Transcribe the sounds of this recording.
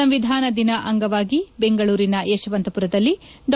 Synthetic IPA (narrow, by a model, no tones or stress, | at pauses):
ɐmʋid̪ʱaːnɐd̪inɐʔɐŋɡɐʋaːɡibeŋɡɐɭuːɾinɐeːʃɐʋɐnt̪ɐpuɾɐd̪ɐlːiɖ